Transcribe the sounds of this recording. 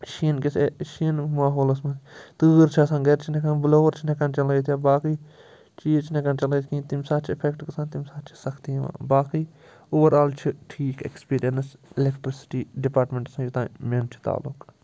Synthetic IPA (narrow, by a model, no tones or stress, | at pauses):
ʃinkisʰeʃinmaːɦoːlɐs̬mɐ̃t̪ɨːɾt͡ʃʰɐsãnɡeɾt͡ʃʰinekanbloːɾt͡ʃʰinekɐnt͡ʃɐlɐjt̪ʰjaːbaːkiː | t͡ʃiːzt͡ʃʰinekɐnt͡ʃɐlejt̪ʰkĩːt̪imsaːt̪̚t͡ʃʰiɪpʰekʈkɐsãːnt̪imsaːt̪t͡ʃʰi̥sɐkʰt̪iʋã̰ːbaːkiː | oːʋɐɾaːlt͡ʃʰiʈʰiːkḛkspiːɾijɐnselekʈɾisi̥ʈiːɖipaːɾʈmẽɳʈsãjut̪ãːment͡ʃʰi̥t̪a̰ːluk